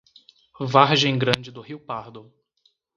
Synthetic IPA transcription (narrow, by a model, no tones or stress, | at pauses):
vaɾʒẽj̃ɡɾɐ̃d͡ʒɪd̪ʊhiwpaɾd̪ʊ